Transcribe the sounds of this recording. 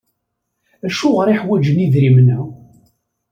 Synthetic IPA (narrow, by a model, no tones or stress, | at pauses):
æʃʊʁəɾiħwæd͡ʒəniðɾimənæ